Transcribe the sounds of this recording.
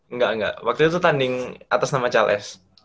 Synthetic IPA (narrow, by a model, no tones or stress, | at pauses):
əŋɡaʔəŋɡa̰ʔwak̚t̪uit̪̬ut̪andɪŋʔat̪asnamat͡ʃalʔɛ̰s